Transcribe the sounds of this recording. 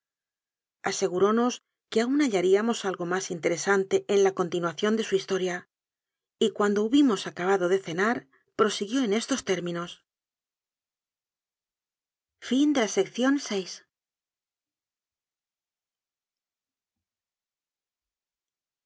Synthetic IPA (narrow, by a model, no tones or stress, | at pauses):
ase̞ɣuɾo̞no̞s | ke̞aunaʎaɾiamo̞salɣo̞masint̪e̞ɾe̞sant̪e̞ʔenlako̞nt̪inwaθjo̞nd̪e̞suist̪o̞ɾja | ikwand̪o̞uβimo̞sakaβaðo̞ðe̞θe̞naɾ | pɾo̞siɣjo̞ene̞st̪o̞st̪e̞ɾmĩno̞s | find̪e̞lase̞kθjo̞nse̞js